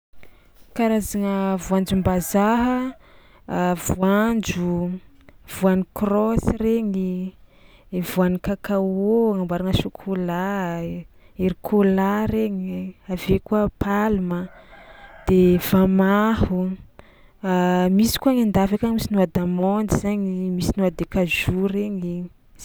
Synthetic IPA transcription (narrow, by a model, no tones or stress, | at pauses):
kaɾazaŋəvuand͡ʒumbazaɦə | vuand͡ʒu | v̥uanikrɔsireɲi | vuanikakawoŋambaɾanəʃukʰola | eɾikʰolaɾeɲavekuəpalumə | d̪̥evamahu | misi̥kuaŋand̪afakaɲimisinuad̪amɔnd̪izaɲimisinuad̪ekazuɾeɲi